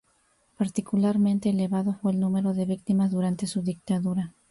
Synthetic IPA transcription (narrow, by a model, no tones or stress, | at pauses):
paɾt̪ikulaɾmẽnt̪e̞ːle̞βaðofwe̞ːlnũme̞ɾo̞ðe̞βik̚t̪imazðuɾant̪e̞suðik̚t̪aðuɾa